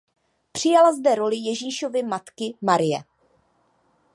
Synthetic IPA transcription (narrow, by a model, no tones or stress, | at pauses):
pr̝̥ɪjalazdɛɾo̞lɪjɛʒiːʃo̞vɪmat̪kɪmaɾɪjɛ̰